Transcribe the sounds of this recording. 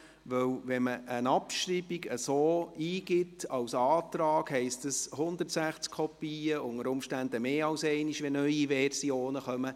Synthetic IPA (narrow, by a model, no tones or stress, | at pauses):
ʋɵwʋɛməʔənɑpʃɾibiɡəsoːiːɡ̥ɪtɑwsɑːt̪ɾɑːkhɛɪstəshʊnd̪əɾtsæχt͡skʰɔpiːəʊŋəɾʊmʃtændəmeːɑwsɛɪniʃʋɛnœʏiʋɛrsioːnəχœmə